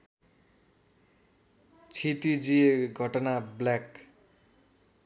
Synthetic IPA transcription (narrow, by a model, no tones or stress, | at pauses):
t͡sʰit̪id͡zijeɡʱʌʈʌnabljak